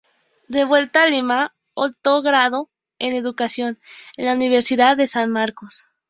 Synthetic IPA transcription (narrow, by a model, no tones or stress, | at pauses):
d̪e̞βwe̞lt̪alima | ot̪oɣɾaðo | ene̞ðukasjo̞nenlauniβe̞ɾsiðaðːe̞sanmaɾkos